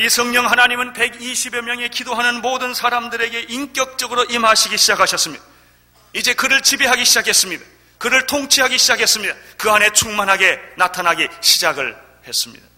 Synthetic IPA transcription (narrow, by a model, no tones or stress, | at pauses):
isʰʌŋɲʌŋɦanaɲimɯnpe̞ɡiɕʰibemjʌŋe̞kidoɦanɯnmodɯnsʰaɾamdɯɾe̞ɡe̞ʔink͈jʌk̚t͡ɕ͈ʌɡɯɾoʔimɦaɕʰiɡiɕʰid͡ʑakʰaɕʰʌs͈ɯmɲid̥a | id͡ʑe̞kɯɾɯɭt͡ɕibiɦaɡiɕʰid͡ʑakʰe̞s͈ɯmɲid̪a | kɯɾɯɭtʰoŋt͡ɕʰiɦaɡiɕʰid͡ʑakʰe̞s͈ɯmɲid̪akɯane̞t͡ɕʰuŋmanɦaɡe̞natʰanɦaɡiɕʰid͡ʑaɡɯɭ | he̞s͈ɯmɲḭd̪̥a